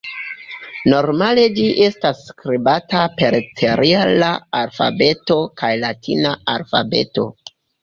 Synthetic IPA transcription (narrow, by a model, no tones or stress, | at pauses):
no̞ɾmale̞d͡ʒiʔe̞stasːkɾibatape̞ɾtʰeɾialaalfa̰be̞to̞kajlatʰḭnaalfa̰be̞̰to̞